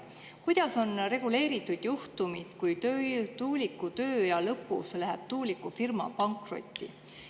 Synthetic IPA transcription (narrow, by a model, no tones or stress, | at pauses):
kujd̪̥ɑso̞nre̞ɡ̥ule̞ːɾit̪ːˑud̪̥juht̪umid̪̥kujt̪øt̪uːlikːut̪ø̞ːjɑlɤpːˑṵslæɦeb̥t̪uːlikːufirmɑ̰pɑŋkro̞̰t̪ʲːˑḭ